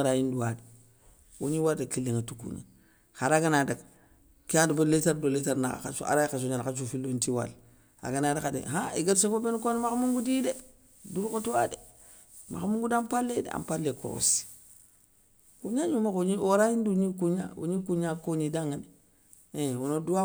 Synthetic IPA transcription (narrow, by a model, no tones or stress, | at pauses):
ɾajinduwade | ṵɲiwadakilːeŋatukṵɲa̰ | xaɾaɡanadak | kiadboletaɾdoletaɾnaka̰kat͡ʃa̰ɾajkat͡ʃ̬oɲalat͡ʃufilontiwa̰l | a̰ɡanadakadḛɦaiɡatsekobenkonmakamuŋɡudide | duɾkotuwade | ma̰xamuŋɡudampalːedḛa̰mpalːeko̰ɾo̰si̥ | kuɲaɲumakuɲiwoɾajinduɲikuɲa̰ṵɲikuɲakoɲidaŋad | ewonoduwa